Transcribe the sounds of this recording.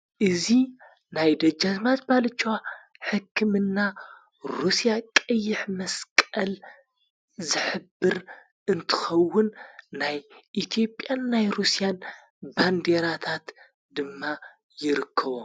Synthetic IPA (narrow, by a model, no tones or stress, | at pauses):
ʔɨzi | najd̪ɐd͡ʒazmat̪̚balɨt͡ʃːowa | ħɨkʰːɨmɨnːa | ɾusijakʼɐjːɪħmɐskʼɐl | zɨħɨbːɨɾ | ʔɨnt̪ʰɨ̥xɐwːʊnːajʔit̪ʰijo̞pʼːjanːajɾusijan | band̪eɾat̪ʰat̪ | d̪ɨmːa | jɪɾɨkʰːɐβo